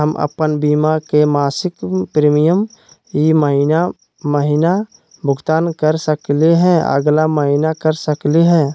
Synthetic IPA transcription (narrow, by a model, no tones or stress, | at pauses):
ɦəmʔə̰pənbiːmakemaːsɪkpɾeːmijəm | jiməɦina | məɦina | bʱʊɡt̪aːnkəɾsəkleɦɛ̃ə̰ɡlaməɦinakəɾsəkliɦɛ̃ː